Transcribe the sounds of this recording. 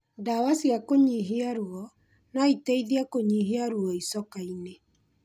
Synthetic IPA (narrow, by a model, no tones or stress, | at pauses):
dawasiakoɲiɦeaɾwɔ | naiteiðiakoɲiɦeaɾwɔisɔkaine